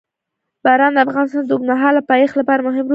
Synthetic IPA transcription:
b̥aɾɑnd̪əafɣɑnɪst̪ɑnd̪oɡmaɦɑlapɑjexlapɑɾamʊɦɪml

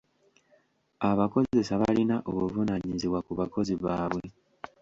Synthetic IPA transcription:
aβako̞ze̞saβalinaʔoβuvunaɲiziβwakuβako̞ziβaːβwe̞

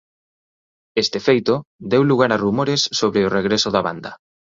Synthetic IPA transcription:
est̪efejt̪ʊd̪ewluɣ̞aɾarumoɾɪsːoβɾeʊreɣɾesʊðɐβa̰nd̪ɐ

